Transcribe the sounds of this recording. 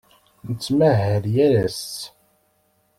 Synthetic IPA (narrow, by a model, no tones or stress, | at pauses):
nət͡sːmæɦəɾjæɾæst